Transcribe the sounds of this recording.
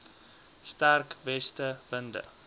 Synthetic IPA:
stærkvɛstəvəndə̰

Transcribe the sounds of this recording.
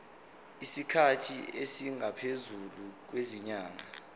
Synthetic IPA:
isikʰatʰiesiŋapʰezuluk̬weziɲaːŋa

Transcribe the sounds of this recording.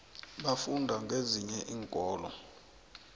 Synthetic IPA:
ɓafundʱaŋɡʱeziɲɛʔiːŋkʼɔːlɔ

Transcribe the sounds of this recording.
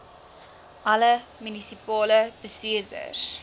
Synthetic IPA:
ʔɐləmynisipɑːləb̥əstiərdə̰r

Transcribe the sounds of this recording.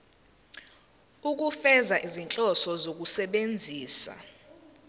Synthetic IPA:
uk̬ufɛzaʔizint͡ɬʼɔsɔzok̬usɛɓend͡zʱiːsa̰

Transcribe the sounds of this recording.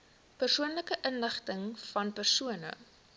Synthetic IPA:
pərsuənləkəʔənləχtəŋfɐnpərsuənə̰

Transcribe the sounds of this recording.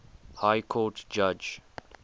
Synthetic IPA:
haɪkʰoːʈd͡ʒʌd͡ʒ

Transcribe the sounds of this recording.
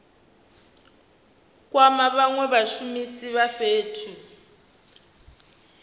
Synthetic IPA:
k̬ʼwamaβaŋwɛβaʃumisiβaɸeːtʰu

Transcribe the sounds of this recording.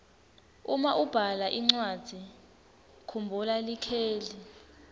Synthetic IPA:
umaʔub̥ʱalaʔiŋ͡ǀwadd̥ʱi | kʰumbʱulalikʰeːli

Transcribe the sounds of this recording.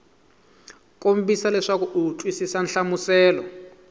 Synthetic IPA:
kʼom̩bisalɛʂakuut͡ɬʼwisisanɬamusɛːlɔ

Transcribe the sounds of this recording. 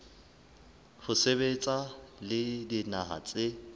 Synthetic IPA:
hʊsebet͡sʼalɪdinaɦa̰t͡sʼɪ

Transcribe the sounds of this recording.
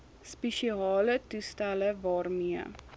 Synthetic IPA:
speʃiɑːlətustæləvɑːrmiə

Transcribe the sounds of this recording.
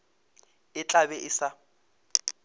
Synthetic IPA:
ɪt͡ɬʼaβɛʔɪsa

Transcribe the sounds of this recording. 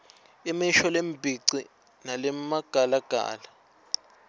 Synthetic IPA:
imiʃɔlembʱiǀi | nalɛmaɡ̥ʱalaɡ̥ʱa̰ːla

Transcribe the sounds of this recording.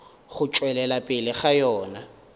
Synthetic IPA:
ɣʊt͡ʃʼwɛlɛlapʼɪlɪχajɔːna

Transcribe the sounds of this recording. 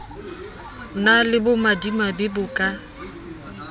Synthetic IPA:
nalɪbʊmadimabɪbʊkʼa

